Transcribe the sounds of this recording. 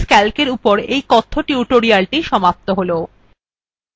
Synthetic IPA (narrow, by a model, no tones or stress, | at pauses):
skɛlkeɾupoɾejkɔt̪ʰːoʈiuʈoɾialʈiʃɔmap̚t̪oɦolo